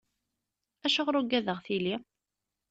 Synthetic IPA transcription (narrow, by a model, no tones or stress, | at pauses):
æʃəʁɾuɡæðəʁθili